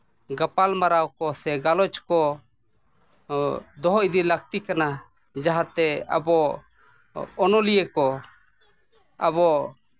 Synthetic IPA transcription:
ɡapalmaɾawkɔsɛɡalɔt͡ʃkɔ | d̪ɔɦɔʔid̪ilakt̪ikana | d͡ʒaɦat̪ɛa̰bɔ | nɔlijɛkɔ | abɔ

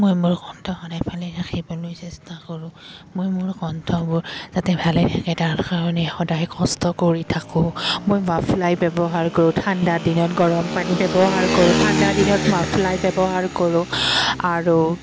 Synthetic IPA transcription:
mojmʊɹkɔntʰɔxɔdajpʰalɛtʰakʰibɔlojsɛstakɔɹʊ̃mojmʊɹkɔntʰɔbʊɹz̥atɛbʱalɛtʰakɛtaɹkaɹɔnɛxɔdajkɔstɔkoɹitʰakʊ̃mojmapʰlajbɛbɔɦaɹkoɹʊ̃tʰandadinɔtɡɔɹɔmpanibɛbɔɦaɹkoɹʊ̃tʰandadinɔtmapʰlajbɛbɔɦaɹkoɹʊ̃aɹu

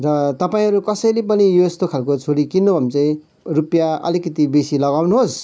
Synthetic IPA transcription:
rʌt̪ʌpaĩɦʌɾukʌsʌjlepʌnijoest̪okʰalkot͡sʰoɽikinːobʱʌmt͡sʌ̃ĩ | rupjaʌ̰likʌt̪ibesilʌɡawnuɦos

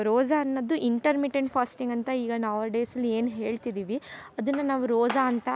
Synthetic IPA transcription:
ɾoːd͡ʒaːnːɐd̪ːuʔiɳʈɐɾmiʈeɳʈpʰaːsʈiŋɡɐnt̪ɐiːɡɐnaːʋɐɖeːsɐlːie̞ːnɦe̞ːɭt̪id̪iːʋiɐd̪ɐnːɐnaːʋuɾoːd͡ʒaɐnt̪ɐ

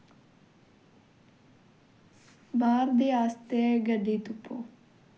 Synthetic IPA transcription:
baːɾd̪eːaːst̪eɡəɖeːt̪ʊpʰːoː

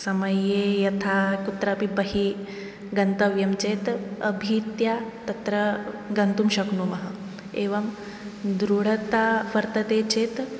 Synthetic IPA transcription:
sɐmɐjejɐt̪ʰakut̪ɾɐpibɐɦi | ɡɐnt̪ɐʋjɐmt͡ʃeːt̪ɐ̰bʱit̪jat̪ɐt̪ɾɐ | ɡɐnt̪umɕɐkɳumɐɦɐ | eːʋɐm | d̪ɾuɽ̤ɐt̪aʋɐɾt̪ɐt̪eːt͡ɕeːt̪

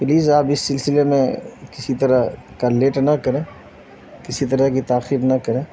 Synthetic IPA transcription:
pliːzaːpɪsːɪlsɪlemẽkɪsit̪ɐɾəɦkaleːʈnɐkɐɾẽː | kɪsit̪ɐɾakit̪aːxibnɐkɐɾẽː

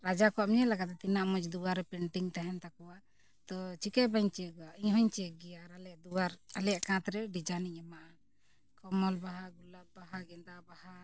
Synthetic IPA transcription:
ɾad͡ʒakɔamɲɛlaɡat̪ɛt̪inaʔmɔ̃d͡ʒd̪uwaɾɛpiɳʈiŋt̪aɦɛnt̪akɔwaʔ | t̪ɔt͡ʃikɛbaɲt͡ʃɛkɔwaʔiɲɦɔɲt͡ʃɛɛɡɛjaɾalɛjaʔd̪uwaɾalɛjaʔkãt̪ɾɛɖid͡ʒaniɲɛmaʔa | kɔmɔlbaɦaɡulabbaɦaɡɛnd̪abaha

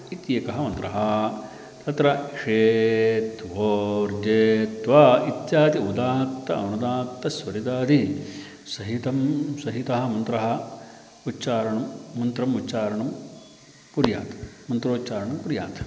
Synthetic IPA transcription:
it̪jeːkɐɦɐ̆mɐnt̪ɾɐɦɐ | t̪ɐt̪ɾɐkʂeːt̪ʋoːɾd͡ʒeːt̪ʋɐit̪jaːd̪iud̪aːt̪ːɐɐ̰nud̪aːt̪ːɐsʋɐɾid̪aːd̪ʱi | sɐɦit̪ɐmsɐɦit̪ɐɦɐ̆mɐnt̪ɾɐɦɐ | utːt͡ʃaːɾɐɳɐmːɐnt̪ɾɐmut͡ʃaːɾɐɳɐm | kuɾjaːt̪ɐ̥mɐnt̪ɾoːtːt͡ʃaːɾɐɳɐmkuɾja̰ːt̪ɐ̥

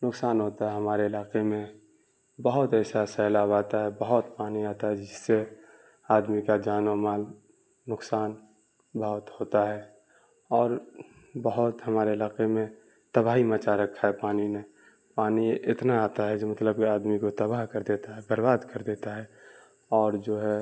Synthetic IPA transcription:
nʊksaːnɦoːt̪aɦɛɦɐmaːɾeɪlaːqemẽ | bəɦʊt̪ɛːsasɛɦlaːbaːt̪aɦɛbəɦʊt̪paːniaːt̪aɦɛd͡ʒɪsːe | aːd̪mikad͡ʒaːnomaːl | nʊksaːn | bəɦʊt̪hoːt̪aɦɛ | ɔːɾ | bəɦʊt̪ɦɐmaːɾeɪlaːqemẽ | t̪ɐbaːɦimət͡ʃaɾɐkʰːaɦɛpaːnine | paːniɪt̪naaːt̪aɦɛd͡ʒomɐt̪ləb̚kiaːd̪mikot̪ɐbaɦkɐɾd̪eːt̪aɦɛbəɾbaːd̪kəɾd̪eːt̪aɦɛ | ɔːɾd͡ʒoːɦɛ

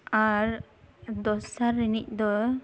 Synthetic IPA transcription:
aɾ | d̪ɔsaɾːinic̚d̪ɔ

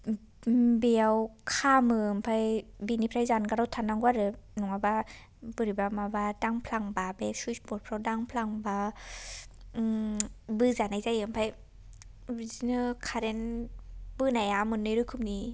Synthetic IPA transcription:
biəwkʰaːmɯːmpʰajbinipʰɾajzankaɾat̪ʰanaŋkʷwaɾɯnuŋabaː | bɯɾibamabadaŋpʰlaŋbabeswispot̚pʰɾɔdaŋpʰlaŋbaː | bɯzanajzajɯmpʰaj | izinɯkʰaɾen | bɯːnajamɯnːɯɾukʰumni

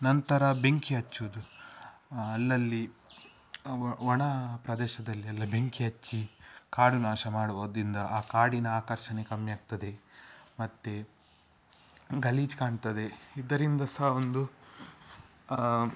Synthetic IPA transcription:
nɐnt̪ɐɾɐbeŋkiɐt͡ʃːuud̪u | ɐlːɐlːi | ʋɔɳɐpɾɐd̪ɛːʃɐd̪ɐlːiɐlːɐbeŋkiɐt͡ʃːikaːɽunaːʃɐmaːɽuʋoːd̪ɾind̪ɐʔaːkaːɽinɐaːkɐɾʃɐnekɐmjaːɡ̚t̪ɐd̪e̞mɐt̪ːe | ɡɐliːd͡ʒkaːɳt̪ɐd̪e̞id̪ɐɾind̪ɐsɐɦɐond̪u

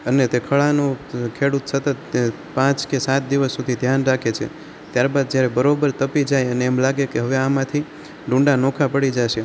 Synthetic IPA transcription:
ənet̪ekʰəɭanukʰeɽut̪sət̪ət̪̚ | pãt͡ʃkesat̪̚d̪iʋəsːud̪ʱid̪ʱjanɾakʰet͡ʃʰḛ | t̪jaɾbad̪̚d͡ʒjaɾɛbəɾobəɾt̪əpid͡ʒajəneɛmlaɡekeɦəʋeamãt̪ʰi | ɖũɳɖanɔkʰapəɽid͡ʒaʃe

